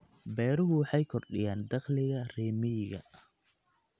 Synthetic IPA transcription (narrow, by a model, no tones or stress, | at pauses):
bɛːɾʊɦʊwɑħɑjkʰɔrɗɪ̰jaːnd̪ɐqlɪɣɐrɛːmɪɣɐ̰